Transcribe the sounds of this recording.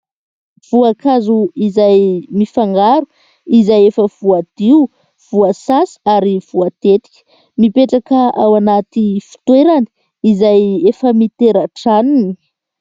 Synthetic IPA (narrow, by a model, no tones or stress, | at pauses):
v̥uakazuizajmifaŋɡaɾu | izajefəv̥uad̪̥iu | v̥uasasi̥aɾiv̥uat̪et̪i̥kʲə̥ | mipeʈ͡ʂakəawanat̪ifi̥t̪weɾani̥ | izajefəmit̪eɾaʈ͡ʂanini̥